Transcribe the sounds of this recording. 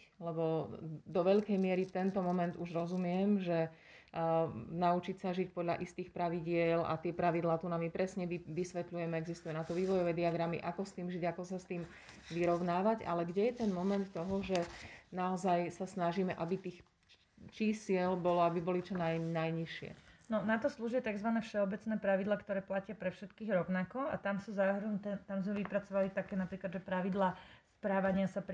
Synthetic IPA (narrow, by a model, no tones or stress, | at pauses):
lɛbɔd̪ɔʋɛʎkɛjmɪɛɾit̪ɛnt̪ɔmɔmɛnd̪uʒɾɔzumɪɛmʒɛ | naut͡ʃicsaʒic̚pɔd̪ʎa̰ʔist̪iːxpɾaʋiɟɪɛla̰t̪ɪɛpɾaʋid̪laːt̪unamipɾɛsɲɛʋiʋisʋɛt̪lujɛmɛɛɡzist̪ujɛnat̪ɔʋiːʋɔjɔʋɛd̪iaɡɾamḭʔakɔst̪iːmʒiɟakɔsast̪iːm | ʋiɾɔʊnaːʋaɟa̰lɛɡɟɛjɛt̪ɛnmɔmɛnt̪ːɔɦɔʒɛnaɔzajsasnaʒiːmɛʔabit̪iːx | t͡ʃisɪɛlbɔlɔabibɔlit͡ʃɔnajnajɲiʃɪɛ̰nɔnat̪ɔsluːʒɛt̪aɡzʋanɛːfʃɛɔbɛt͡snɛːpɾaʋid̪lˠaːkt̪ɔɾɛːplacɪapɾɛfʃɛt̪kiːɣɾɔʊnakɔa̰t̪amsuzaɦɾunt̪ɛnt̪amzmɛʋipɾat͡sɔʋalit̪akɛːnapɾiːklad̪ʒɛpɾaʋid̪laːspɾaːʋaɲɪasap